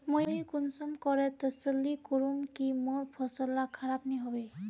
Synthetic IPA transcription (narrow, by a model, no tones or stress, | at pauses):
mojjkunsɔmkɔɹɛt̪əsəlːikoɹumkimoɹpʰɔsɔlakʰaɹapniɦɔbe